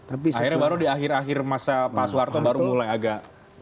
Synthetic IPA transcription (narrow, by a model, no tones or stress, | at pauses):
t̪apiahirɲabaɾudiaxɪraxɪrmasapasuwart̪obaɾumulajaɡaʔ